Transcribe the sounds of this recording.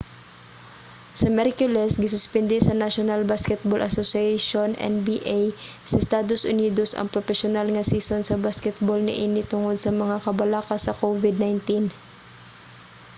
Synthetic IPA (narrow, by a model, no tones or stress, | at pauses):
sɐmɛɾkjʊlɛsɡɪsʊspɛnd̪ɪsɐnaʃonalbaskɛt̪̚bolʔɐsosiaʃonʔɛ̰nbiʔajsɐɪst̪aːd̪osʔʊniːd̪o̞sʔɐ̰ŋpɾofɛʃonalŋɐsiːsonsɐbaskɛt̪̚bolnɐ̰ʔiːnɪt̪ʊŋod̪̚sɐmɐŋakɐbɐlaːkɐsɐkovɪd̪̚najnt̪in